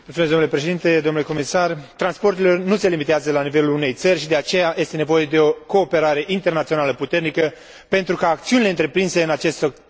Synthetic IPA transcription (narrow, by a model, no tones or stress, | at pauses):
mult̪umeszd̪onulepɾe̞ʃeint̪e̞d̪onule̞ko̞misart̪ɾanspo̞rt̪̬elo̞rnuselimit̪eazəlanive̞luune̞jt̪sərʲʃid̪e̞at͡ʃe̞jaje̞st̪e̞ne̞vo̞je̞d̪e̞o̞ko̞ːpe̞ɾaɾe̞ʔint̪e̞rnat̪sio̞naləput̪e̞rnikə | pe̞nt̪ɾukaːk̚t̪siunile̞ɨnt̪ɾe̞pɾinse̞ɨnat͡ʃe̞st̪